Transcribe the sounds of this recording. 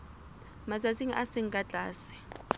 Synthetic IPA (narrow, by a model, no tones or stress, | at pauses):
mazaziŋiʔasɪŋ̩kʼat͡ɬʼaːsi̥